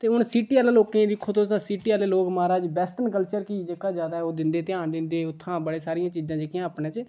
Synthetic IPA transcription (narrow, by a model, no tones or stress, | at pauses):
t̪eːʊnsiːʈiːaːlaːloːkẽːd̪ɪkʰːoːt̪õːsãːsiːʈiːaːleːloːkmaːɾaːd͡ʒbɛːsʈənkəlt͡ʃəɾkiːd͡ʒeːkaːd͡ʒjaːd̪aːɦɛoːd̪ɪnd̪eːt̪ɪjãːnd̪ɪnd̪eːʊt̪ʰːãːbəɽeːsaːɾijãːt͡ʃiːzãːd͡ʒekjãːpnẽːt͡ʃə